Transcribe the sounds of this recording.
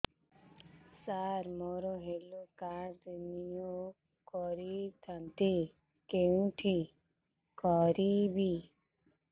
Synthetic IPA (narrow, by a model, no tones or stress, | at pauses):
saɾmoɾoɦelukaɾd̪nijo | kɔɾit̪ʰant̪i | keũʈʰi | kɔɾibi